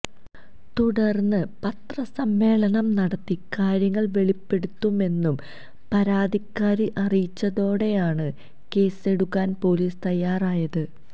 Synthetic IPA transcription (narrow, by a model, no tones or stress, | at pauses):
t̪uɽɐrnːɨpɐt̪rɐsɐmːe̞ːɭɐnɐmnɐɽɐt̪ːikaːɾjɐŋːɐɭʋe̞ɭipːe̞ɽut̪ːume̞nːum | pɐɾaːd̪ʱikːaːɾiʔɐrijit͡ɕːɐðo̞ːɽe̞jaːɳɨ | ke̞ːseɽukːaːnpo̞ːliːst̪ɐjːaːraːjɐðɨ